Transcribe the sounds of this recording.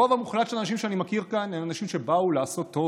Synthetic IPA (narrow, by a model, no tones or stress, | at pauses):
ovamuχlat̪ʃe̞lanaʃ̬imʃeanimakiʁkanenanaʃimʃebaulaːso̞t̪ːo̞